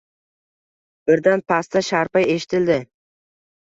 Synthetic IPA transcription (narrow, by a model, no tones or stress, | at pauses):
b̥ɪɾd̪anpʰast̪aʃaɾpaje̞ʃɪ̥t̪ʰɪld̪ɪ